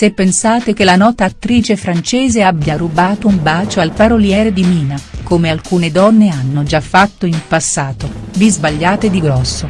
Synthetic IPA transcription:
sepːensaːt̪ek̟elanɔːt̪aːt̪ːɾiːt͡ʃefɾant͡ʃɛːzeabːjaɾubaːt̪oumbaːt͡ʃoalparoljɛːɾed̪imiːnakomealkuːned̪ɔnːeanːod͡ʒafːat̪ːoimpasːaːt̪ovizbaʎːaːt̪ed̪iɡɾɔsːo

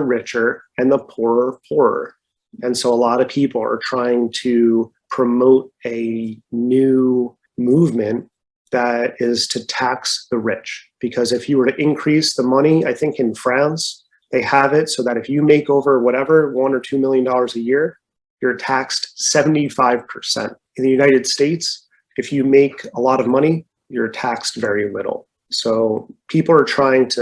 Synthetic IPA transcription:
ɹɪt͡ʃə˞ɨ̃nðəpʰʊɹə˞pʰʊɹə̰˞ | ɨ̃nsoʊəlɔɾʌv̥pʰipl̩ˠə̰˞tʰɹ̥aɪɪ̃ŋtʰɨpʰɹ̥ɨmoʊɾɨnʉ | muvmɨ̃n | ðɨɾɪz̥tʰɨtʰæksðɨɹɪt͡ʃb̥ɨkʰʌzɨfjɨwə˞ɾɨʔɪ̃nkʰɹ̥isðəmʌɾ̃iaɪθɪ̃ŋkɨ̃nfɹæ̃ns | ðeɪəvɪtsoʊðɨɾɨfjɨmeɪkoʊvə˞wʌɾɛvə˞wʌ̃nə˞tʰʉmɪlˠjɨ̃ndɔlˠə˞zɨjɪɹ | jə˞tʰækstsɛṽn̩tifaɪv̥pʰə̥˞sɛ̰̃nt̚ | ɨ̃n̩ðɨjʉnaɪɾɨd̥steɪts | ɨfjɨmeɪkʰəlɔɾʌvmʌɾ̃i | jə˞tʰækstvɛɹimɪ̰ɾl̩ˠ | soʊpʰipl̩ˠə˞tʰɹ̥aɪɪ̃ŋtʰɨ

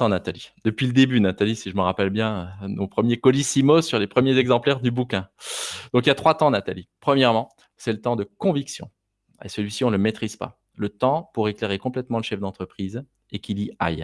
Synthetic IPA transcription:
tɑ̃nat̪alid̪əpɥiləd̪ebynat̪alisiʒəməʁapɛlbjɛ̃nopχəmjekɔlisimosyʁlepχəmjezɛɡzɑ̃plɛʁd̪ybukʲɛ̃d̪̥ɔ̃k̬iljat̪χwat̪ɑ̃nat̪alipχəmjɛʁmɑ̃ | sɛlət̪ɑ̃d̪əkɔ̃viksjɔ̰̃ | ḛsəlɥisiɔ̃ləmet̪χiz̥pa̰ | lət̪ɑ̃puʁekleʁekɔ̃plɛt̪mɑ̃ləʃɛfd̪ɑ̃t̪χəpχiz | ekʲilia̰j

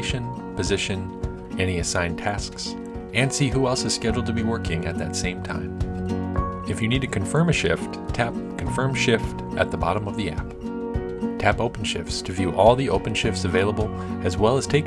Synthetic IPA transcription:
ɪʃɨ̃n | pʰɨzɪʃɨ̃n | ʔɛniɨsãɪ̃ntʰæsks | ɨ̃nsiɦuɛlˠsɨz̥skɛd͡ʒl̩ˠdtʰɨbiwɜ˞kʰɪ̃ŋɨt̪̚ðɨtsẽɪ̃mtʰã̰ɪ̃m | ɨfjɨnid̚tʰɨkʰɨ̃ɱfɜ̃˞mɨʃɪft | tʰæp̚kʰɨ̃ɱfɜ̃˞mʃɪft | ʔɨ̰t̪̚ðəbɑ̰ɾə̃mʌvðiæ̰p | tʰæpoʊpn̩ʃɪ̰ftstʰɨvjʉʔɔlˠðioʊpn̩ʃɪftsɨveɪlˠəbl̩ˠ | ɨzwɛlˠəz̥tʰeɪk

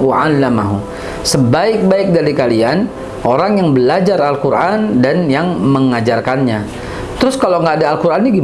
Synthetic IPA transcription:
waalːamaɦṵ | səbaɪk̚baɪk̚daɾikalian | oɾaŋjaŋbəlad͡ʒaralkuɾʔandanjaŋməŋad͡ʒarkanɲa | t̪əɾʊskalawŋɡaːdaːlkuɾʔanːiɡi

